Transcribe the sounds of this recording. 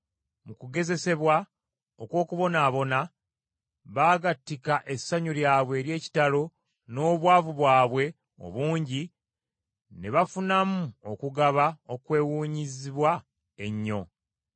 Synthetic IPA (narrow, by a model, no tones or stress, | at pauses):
mukuɡe̞ze̞se̞βwa | okwo̞ːkuβo̞naːβo̞na | βaːɡatːikaʔe̞sːaɲuɾjaːβwe̞ːɾje̞ːci̥talo̞ | no̞ːβwaːvuβwaːβwe̞ | o̰βuːɲɟi | neβafunamuo̞kuɡaβao̞kwe̞ːwuːɲiziβwa | e̞ɲːo̞